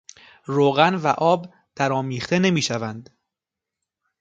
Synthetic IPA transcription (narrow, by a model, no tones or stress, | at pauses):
ɾoːɣænvæʔɒːb | d̪̥æɾɒːmiːχt̪ʰe̞ne̞miːʃævænd̪̥